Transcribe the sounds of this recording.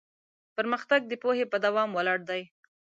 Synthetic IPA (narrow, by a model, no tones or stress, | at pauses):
pəɾməxt̪aɡ̚d̪əpohepəd̪awɑmwalɑɽd̪aj